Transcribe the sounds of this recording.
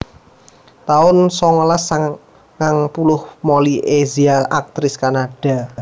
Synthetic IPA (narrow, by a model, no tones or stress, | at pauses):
t̪aʊnsɔŋɔlasa | ŋaŋpulʊhmoliʔeziaʔak̚t̪ɾɪskanaɖ̥a̤